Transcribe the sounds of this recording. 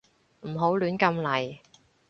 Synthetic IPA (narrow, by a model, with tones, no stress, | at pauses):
m̩˨˩ɦo˨˥wlyː˨˥nkɐ˧mlɐ˨˩j